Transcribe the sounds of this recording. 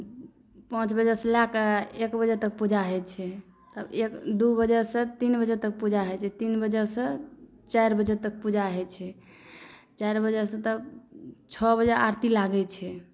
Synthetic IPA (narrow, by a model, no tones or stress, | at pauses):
pãt͡ʃbəd͡ʒəsə̃lakekbəd͡ʒət̪ək̚pud͡ʒaɦɛt͡ʃʰɛ | t̪əbekd̪ubəd͡ʒəsə̃t̪inbəd͡ʒət̪ək̚pud͡ʒaɦɛt͡ʃʰɛt̪inbəd͡ʒəsə̃ | t͡ʃajɾbəd͡ʒət̪ək̚pud͡ʒaɦɛt͡ʃʰɛ | t͡ʃajɾbəd͡ʒəsə̃t̪əbt͡ʃʰɔbəd͡ʒəaɾt̪ilaɡɛt͡ʃʰɛ